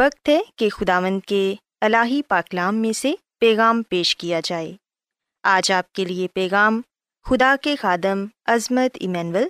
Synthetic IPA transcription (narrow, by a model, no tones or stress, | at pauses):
ʋɐkt̪ɦɛkexʊd̪aːʋə̃nd̪̚ke | ɐlaːɦipaːklaːmːẽse | pɛːɣaːmpeːʃkijad͡ʒaːḛː | aːd͡ʒaːp̚keliepɛːɣaːm | xʊd̪akexaːd̪ɪmɐzmət̪ɪ̰mɛːnʋəl